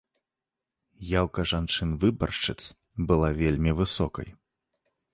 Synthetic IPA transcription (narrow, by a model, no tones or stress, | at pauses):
jawkɐʐant͡ʂɨnvɨbɐ̰rt͡ʂɨt̪s | bɨlˠavʲelʲmʲivɨsɔkɐ̰j